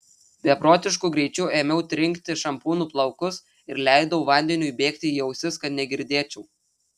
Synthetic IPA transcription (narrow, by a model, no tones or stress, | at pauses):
bʲɛpɾoːt̪ʲɪʃkuːɡɾʲɛɪt͡ʃʲuːeːmʲɛʊt̪ʲɾʲɪŋʲkt̪ʲɪʃɐmpuːnuːplˠɐʊkʊs | ɪɾlʲæɪd̪ɐʊʋɐˑnʲd̪ʲɛnʲuːibʲeːkt̪ʲɪijɛʊsʲɪskɐt̪nʲɛɡʲɪɾʲd̪ʲeːt͡ʃʲɛʊ